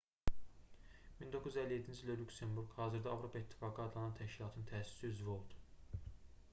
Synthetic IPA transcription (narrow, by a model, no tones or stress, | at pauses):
mind̪okʰːuzyzælːiet̪ʰːind͡ʒild̪ælʲukse̞mbuɾɡhɑːziɾd̪æɑvɾo̞pʰɑit̪ʰːi̥fɑːɡɯɑd̪lˠɑnɑnt̪ʰæʃkcilɑːt̪ʰɯnɯnt̪ʰææsy̥siyzvio̞lˠd̪u̥